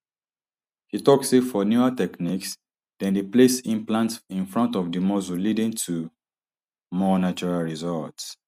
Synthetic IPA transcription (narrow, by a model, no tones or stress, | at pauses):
hitɔksefɔnjuatɛkniks | d̥ɛ̃ndəplesĩmplãntĩnfɹɔ̃ntɔvdimɔzulidĩŋtʰu | mɔnat͡ʃɔɹalɹizɔlts